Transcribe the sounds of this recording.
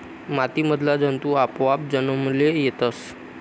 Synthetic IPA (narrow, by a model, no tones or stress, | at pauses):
mat̪iməd̪ʱlad͡zənt̪uapʋap̚d͡zənəmlejet̪əs